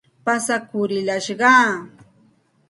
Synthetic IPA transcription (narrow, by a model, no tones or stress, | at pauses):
pasakʊɾɪlaʃɢɑː